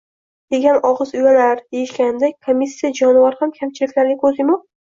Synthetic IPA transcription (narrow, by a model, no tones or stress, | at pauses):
d̪̥e̞ɡʲanɒʁɨzʊjalaɾd̪ejɪʃkʲannd̪akʰomʲːisːijad͡ʒɒnɪvaɾhamkʲʰamt͡ʃʰɪlɪkʲlaɾnɪkʰɵzɪmɒ